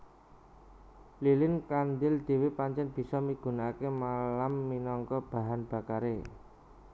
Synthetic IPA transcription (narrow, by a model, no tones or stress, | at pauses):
lilɪnkand̪ɪld̪̥e̤wepaɲt͡ʃɛnb̥i̤sɔmiɡ̥ṳnakemalamːinɔŋkɔb̥a̤ɦanb̥a̤kaɾe